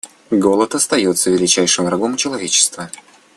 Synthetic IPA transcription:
ɡo̞lˠət̪ɐst̪ɐjo̞t̪səvʲɪlʲɪt͡ɕæjʂɨmvɾɐɡo̞mt͡ɕɪlˠɐvʲet͡ɕɪ̥st̪və

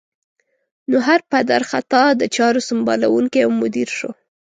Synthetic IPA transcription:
noɦaɾpad̪aɾxat̪ɑd̪ət͡ʃɑɾosʊmbɑlawuŋkeamːʊd̪iɾʃo

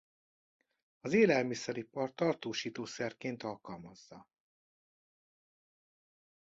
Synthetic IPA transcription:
ɒzeːlɛlmisɛɾipɒrt̪ɒrt̪oːʃiːt̪oːsɛrkeːnt̪ɒlkɒlmɒzːɒ

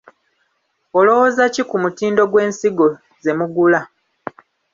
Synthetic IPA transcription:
olo̞wozacikumutiːndo̞ɡwe̞ːnsiɡo̞ | ze̞muɡula

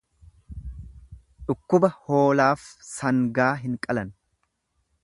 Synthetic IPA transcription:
ᶑʊkːʊbɐho̞ːlaːfsɐŋɡaːɦɪŋkʼɐlɐn

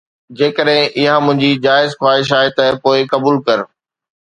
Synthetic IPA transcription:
d͡ʑeːkəɗɦɪ̃ʔɪɦãmʊ̃ɦɪ̃ɲd͡ʑid͡ʑaːɪzxwaːɦɪʃ̬aːɦet̪ɐpoːɪkɐbuːlkɐɾ

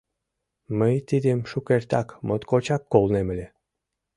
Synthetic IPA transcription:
məjt̪id̪emʃukert̪ɑkmot̪kot͡ɕɑkːolnemə̆lʲe

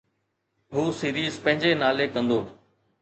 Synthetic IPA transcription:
ɦuːsiːɾiːzpə̃ɦɪ̃ɲd͡ʑeːnaːleːkə̃nd̪oː

